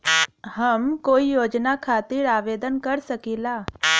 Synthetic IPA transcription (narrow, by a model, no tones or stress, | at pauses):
həmkoːijoːd͡ʒnakʰaːt̪iɾaːʋeːd̪ənkəɾsəkiːlaː